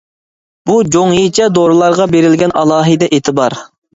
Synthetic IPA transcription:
b̥ud͡ʒoŋjit͡ʃʰɛd̪oɾɨlˠɑɾʁɑbeɾɪlɡʲɛnɑlˠɑːɦɨd̪ɛʔet̪ʰɪbɑɾ

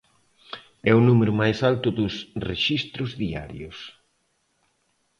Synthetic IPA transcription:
ɛʊnumeɾʊmajsalt̪ʊðʊsreʃist̪ɾʊzðia̰ɾjʊs

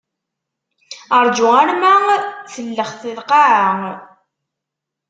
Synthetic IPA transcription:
əɾˤd͡ʒʊaɾmæθəlːəχθɪðqaʕə

